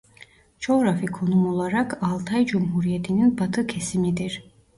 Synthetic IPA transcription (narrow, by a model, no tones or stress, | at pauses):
t͡ʃʰoɾafikʰo̞numolˠaɾɑkɑlˠt̪ʰajd͡ʒumɦuɾijet̪ʰininbat̪ʰɯkʰesimid̪iɾ